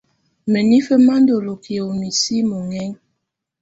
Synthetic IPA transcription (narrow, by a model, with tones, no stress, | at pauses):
mə˨ni˦fə˦ma˦ndo˨lo˨kʰi˨o˨mi˨si˦mo˨ŋɛ˦ŋ